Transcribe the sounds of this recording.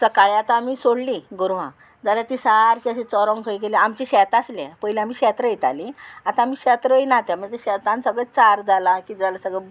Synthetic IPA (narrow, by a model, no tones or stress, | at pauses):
səkaɭiat̪aːmiːsoɽliɡuɾʋã̰ | d͡zalat̪isaɾkĩəɕĩt͡sɔɾɔ̃ŋkʰəjɡeleamt͡ɕiɕɛt̪aslepəɦileam̤iːɕɛt̪ɾəjet̪a̰liat̪ãːm̤iːɕɛt̪ɾəjnat̪aməɳd͡zeɕɛt̪ãnsəɡɭət͡saɾd͡zalakid͡zalasəɡɭə